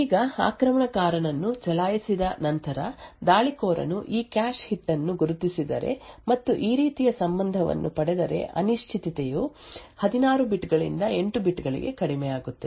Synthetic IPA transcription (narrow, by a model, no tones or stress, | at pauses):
iːɡɐa̰ːkɾɐmɐɳɐkaːɾɐɳɐnːut͡ʃɛlaːjisid̪ɐnɐnt̪ɐɾɐd̪aːɭikoːɾɐ̰nuʔiːkaːʃhiʈːɐnːuɡuɾut̪isid̪ɐ̰ɾe̞̰mɐt̪ːuʔiːɾiːt̪ijɐsɐmbɐnd̪ʱɐʋɐ̰nːupɐɽɛd̪ɐɾe̞̰ʔɐ̰niʂt͡ʃʰit̪it̪ɛjuhɐd̪inaːɾubiʈɡɐɭḭnd̪ɐe̞ɳʈubiʈɡɐɭḭɡe̞̰kɐɽimɛjaːɡut̪ːe